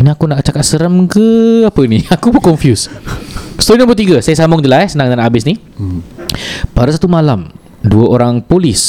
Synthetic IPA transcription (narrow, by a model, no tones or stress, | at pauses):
iniakunaʔt͡ʃakat̪̚səɾəmkəapəniakubəkɔɱfjus | st̪oɾinãmbət̪iɡasajasamʊŋd͡ʒəlaɛsənaŋdanabɪsni | padasat̪umalam | duəʔoɾaŋpolis